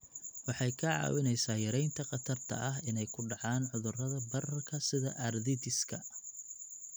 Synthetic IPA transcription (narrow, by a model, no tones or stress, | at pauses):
wɑħɑjkʰɐʕɑ̰ːwɪnɛjsaːjɐɾɛjnt̪ʰɐqɑt̪ʰɐrt̪ʰɐ̰ʔɐɦɪnɛjkʰʊɖɑʕɑːnʕʊðʊrɐðɐbɐrɐrkʰɐsɪðɐ̰ʔɐrðɪt̪ɪskʰɐ